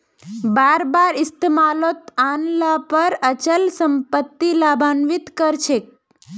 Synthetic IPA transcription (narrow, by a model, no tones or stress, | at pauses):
baːɾbaɾɪst̪emalot̪anlapəɾət͡ʃəlsəmpət̪ːilabʱanʋit̪kəɾt͡ʃʰek̚